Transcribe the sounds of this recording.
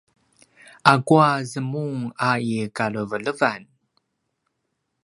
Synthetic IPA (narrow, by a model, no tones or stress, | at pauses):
ʔakuazəmuŋaikaɭəvələvan